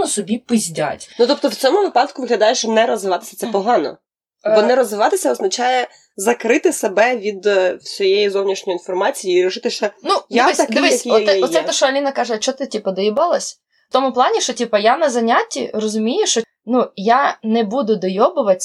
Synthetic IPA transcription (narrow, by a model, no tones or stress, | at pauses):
ɔsɔbʲipɪzʲdʲa̰tʲnut̪ɔp̚t̪ɔwt͡sʲɔmʊʋɪpɑd̪kʊʋɪɦlʲɐd̪ɑjɛʃt͡ʃɔnɛɾɔzʋɪʋɑt̪ɪ̥sʲɐt̪sɛpɔɦɑnɔ̰ | bbɔnɛɾɔzʋɪʋɑt̪ɪsʲɐɔznɐt͡ʃajɛ | zɐkɾɪt̪ɪsebɛʋʲid̪sʲɔjejizɔwnʲiʃnʲɔjinfɔrmɑt͡sʲijiiɾʲɪʃɪt̪ɪʃt͡ʃɔnuj̪aɪsɐd̪ɔʋikɔɛɔt̪sɛt̪ɛʃɔɐlʲinɐkɑʒɛt͡ʃɔt̪ɪtʲipɐd̪jibɐlˠɐsʲ | t̪ɔmʊplˠɑnʲiʃɔtʲipɐjanɐzɐnʲatʲːḭrɔzʊmʲijɛʃt͡ʃɔ | nujanɛbud̪ʊd̪ɔjɔbʊʋɐtʲ